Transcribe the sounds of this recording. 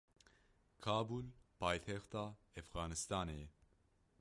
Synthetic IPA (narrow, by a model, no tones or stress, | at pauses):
kʰaːbulpʰaːjt̪ʰɛxt̪aːɛfɣaːnɨst̪ɑːne